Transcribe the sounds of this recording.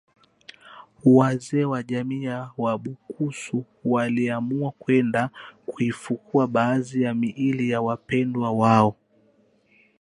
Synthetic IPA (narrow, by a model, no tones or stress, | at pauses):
wazɛːwaʄamiːawaɓukusu | waliamuakwɛndakuifukuaɓaːzijamiʔilijawapɛndwawaɔ